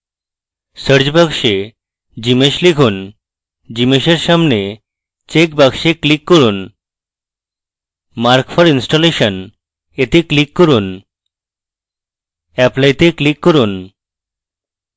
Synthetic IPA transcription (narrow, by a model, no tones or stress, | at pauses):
səɾd͡ʑbaɡʃe | d͡ʑimeʃlikʰun | d͡ʑimeʃeɾʃamne | t͡ɕek̚baɡʃeklikːɔɾun | maɾkfʰɔɾinsʈɔleʃən | et̪eklikːɔɾun | ɛplajt̪eklikːɔɾun